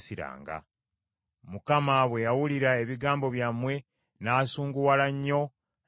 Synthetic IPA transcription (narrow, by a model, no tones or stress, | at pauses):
siɾa̰ːŋɡa̰ | mukamaβwe̞jawuliɾae̞βiɡaːmbo̞βjamwe̞ | naːsuːŋɡuwalaɲːo̞